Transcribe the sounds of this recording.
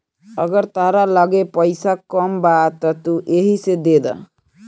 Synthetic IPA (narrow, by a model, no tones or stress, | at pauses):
ʌɡəɾt̪aɾaləɡepəjsakɔmbat̪ʌt̪uʔeɦised̪ed̪ʌ̰